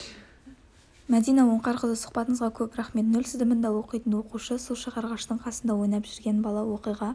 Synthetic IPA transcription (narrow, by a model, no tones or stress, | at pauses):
mæd̪ijnɑwoɴqɑɾqəlˠəsʊ̥qpɑt̪əɴəzʁɑkʲʰɵpɾæχme̞t̪nɵlsɪzd̪ɪmɪnd̪ɑwo̞qijt̪ənwo̞quʃəsulˠʃəʁɑɾʁɑʃt̪əɴqʰɑsənd̪ɑwo̞jnɑpʒɪɾɡʲe̞nbɑlˠɑwo̞qijʁɑ